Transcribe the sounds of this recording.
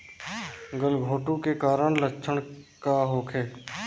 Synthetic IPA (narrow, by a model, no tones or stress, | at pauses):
ɡəlɡʱoːʈũkekaːɾəɳləkʃʰəɳkaɦoːkʰeː